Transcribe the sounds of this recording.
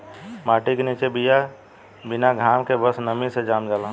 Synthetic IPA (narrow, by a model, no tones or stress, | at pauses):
maːʈikenit͡ʃebija | binaɡʱaːmkebəsnəmised͡ʒaːmd͡ʒaːlãː